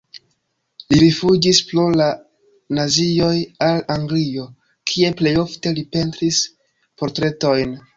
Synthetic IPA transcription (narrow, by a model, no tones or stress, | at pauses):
liɾifud͡ʒisplula | nazio̞jalaŋɡlio̞ | kʰie̞ple̞jo̞fte̞lipe̞ntɾis | po̞ɾtɾe̞to̞jn